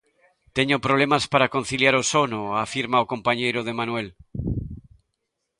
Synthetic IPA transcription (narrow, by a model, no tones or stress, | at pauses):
t̪eɲopɾoβ̞lemaspaɾako̞n̟θiljaɾosonoafiɾmaokõ̞mpaɲejɾoð̞e̞manwel